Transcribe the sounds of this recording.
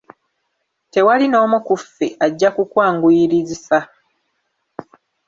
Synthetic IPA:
te̞walino̞ːmukufːeʔaɟːakukwaːŋɡuiɾizisa

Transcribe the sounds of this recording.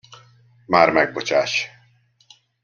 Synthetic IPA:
maːɾmɛɡ̚bot͡ʃaːʃ

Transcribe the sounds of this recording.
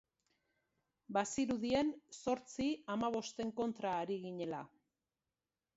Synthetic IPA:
basiɾuðie̞nso̞ɾt͡siamaβ̞o̞st̪e̞ŋko̞nt̪ɾaːɾiɣiɲe̞la

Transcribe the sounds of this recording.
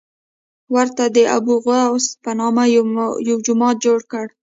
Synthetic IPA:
waɾt̪ad̪əʔa̰buɣspənɑmajawd͡ʒʊmɑt̪̚d͡ʒoɽkəɽ

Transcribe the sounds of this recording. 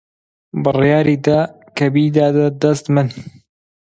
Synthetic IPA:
bɨrjaːɾiːd̪ɐ | kɐbiːd̪aːd̪ɐd̪ɐst̪mɨn

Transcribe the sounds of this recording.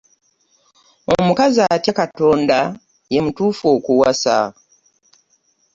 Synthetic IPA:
o̞̰mukazaːtakato̞ːnda | je̞mutuːfo̞ːkuwasa̰

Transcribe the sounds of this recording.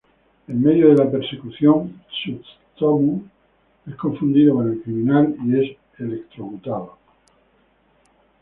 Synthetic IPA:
emme̞ðjoðe̞lapeɾse̞kuθjo̞ŋt͡ʃu | t̪omu | e̞skoɱfund̪iðokone̞lkɾimĩnalie̞s | e̞le̞kt̪ɾoɣut̪aðo

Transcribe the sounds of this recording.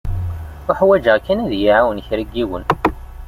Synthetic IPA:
ʊħwæd͡ʒəʁkːænæðjiʕawənçɾəɡːiwən

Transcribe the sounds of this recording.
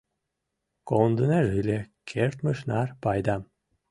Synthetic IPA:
kond̪ənæʒɯlʲekʰert̪məʃnɑrpɑjd̪ɑm

